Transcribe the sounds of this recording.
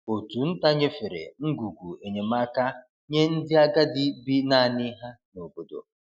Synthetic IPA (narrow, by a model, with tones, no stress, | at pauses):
o˨tu˨n̩˦ta˦ɲe˦fɪ˨ɾḛ˨ŋ̩˦ɡu˨ɡʷu˨e˨ɲe˨ma˦ka˦ | ɲe˦n̩˦dɪ˦a˦ɡa˦dɪ˦bi˦na˦˨nɪ˦ɦa˦no˨bo˨do̰˨